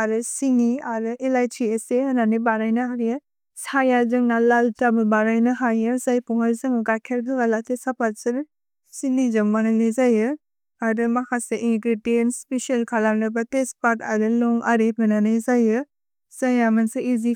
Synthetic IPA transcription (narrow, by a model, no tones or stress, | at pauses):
aɾɯsiniaɾɯʔelajtʰieseananibaɾajnɯɦaɾijɯ | sajazɯŋnalaltabɯbaɾajnɯɦajɯzajpuŋaɾzɯŋɯɡakʰeɾdɯɡalatesapaɾsɯɾ | sinizɯŋmaŋalezajɯ | aɾɯmakʰaseʔiŋkɾidienspesialkʰalamnɯbatespaɾta̰ɾɯlɔŋʔaɾebɯnanɯjzajɯ | z̥ajamansɯizi